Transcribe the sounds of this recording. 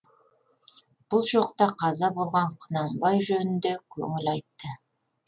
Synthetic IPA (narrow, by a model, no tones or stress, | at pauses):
b̥ʊlˠʒo̞qt̪ɑqʰɑzɑbo̞lˠʁɑɴqʰənɑmbɑjʒɵnɪnd̪ekʲʰɵ̰ŋɪlɑjt̪ːə